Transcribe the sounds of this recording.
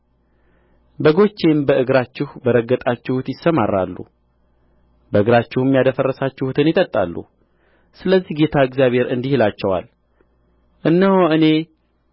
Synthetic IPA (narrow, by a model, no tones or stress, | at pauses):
bəɡo̞t͡ʃːembəʔɨɡɾat͡ʃːɪhbəɾəɡːət̪ʼat͡ʃːɪhut̪jɪsːəmarːa̰lːṵ | bəɨɡɾat͡ʃːɪhɨmjad̪əfərːəsat͡ʃːɪhut̪ʰɨnjɪt̪ʼət̪ʼːa̰lːṵ | sɨləzːihɡe̞t̪ʰaɨɡzjaβhe̞ɾɨnd̪ihilat͡ʃːɛwa̰l | ʔɨnːəhoɨne̞